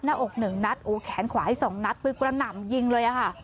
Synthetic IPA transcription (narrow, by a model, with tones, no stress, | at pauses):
naː˧˥˩ʔo˨˩k̚nɯ˨˩ŋna˦˥t̪̚ʔoː˨˩kʰɛː˨˩˦nkʰwaː˩˦a˧˩jsɔː˨˩˦ŋna˦˥t̪̚fɯ˦˧˥kɾa˧na˨˩mji˧ŋlɤː˧jʔa˨˩kʰa˥˩